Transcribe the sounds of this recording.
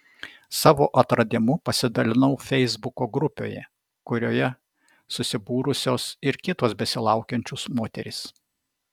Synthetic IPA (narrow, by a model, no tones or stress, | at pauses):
sɑːʋoːʔɐt̪ɾɐd̪ʲɪmʊpɐsʲɪd̪ɐlʲɪnɐʊfʲɛɪzbʊkoːɡɾʊpʲo̰ːjɛ̰ | kʊɾʲoːjɛ | sʊsʲɪbuːɾʊsʲoːsɪɾkʲɪt̪oːsbʲɛsʲɪlˠɑˑʊkʲɛnʲt͡ʃʲʊsmoːt̪ʲɛ̰ɾʲɪs